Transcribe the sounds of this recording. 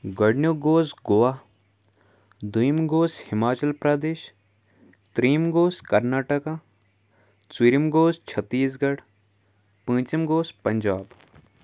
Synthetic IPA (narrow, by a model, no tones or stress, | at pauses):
ɡɐɽnjoɡoːsɡoʋaː | d̪ujmɡoːshɪmaːt͡ʃɐlpɾaːd̪eːʃ | t̪ɾiːmɡoːskɐɾnaːʈəkaː | t͡siɾimɡoːst͡ʃʰɐt̪ːiːs̬ɡɐɽ | pə̃ːt͡ʃimɡoːspɐɲd͡ʒaːb